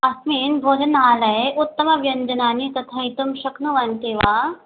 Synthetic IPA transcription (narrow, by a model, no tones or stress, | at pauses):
ɐsmiːnbʱoːd͡ʒɐnaːlɐeʔut̪ːɐmɐʋjɐnd͡ʒɐnaːnit̪ɐt̪ʰɐjt̪umʃɐknuʋɐnt̪iʋaː